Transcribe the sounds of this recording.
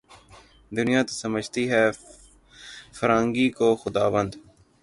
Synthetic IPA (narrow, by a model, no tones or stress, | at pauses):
d̪ʊnɪjãːt̪osəməd͡ʒʱt̪iɦɛː | fəɾãːŋɡiːkoxʊd̪aːʋə̃nd̪